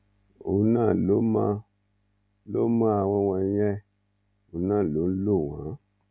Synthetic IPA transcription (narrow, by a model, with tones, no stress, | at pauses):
u˨nã˦˨lo˦mã˧ | lo˦mã˦a˨w̃ɔ̃˧wã˧˦jɛ˦ | o˨nã˦˨lo˨˦n̩˦lo˦˨wã̰˨˦